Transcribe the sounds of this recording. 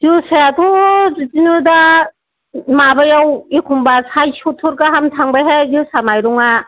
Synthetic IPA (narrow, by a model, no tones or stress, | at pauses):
zuseatuzitinuda | mabajawikʰumbasajsʰutʰːuɾkaɦamtʰaŋbajɦezusamajɾuŋa